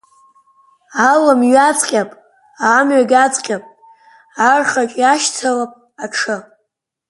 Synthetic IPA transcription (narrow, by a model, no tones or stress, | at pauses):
alamɥat͡sʼqʲʼapʼ | aːmɥaɡʲat͡sʼqʲʼapʼ | arχakʲʼaʃt͡sʰalapʼ | aʈ͡ʂʰɨ